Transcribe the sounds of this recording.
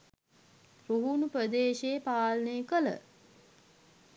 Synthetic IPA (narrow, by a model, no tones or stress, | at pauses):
ɾuɦunupɾəd̪eːʃeːpaːlnekələ̰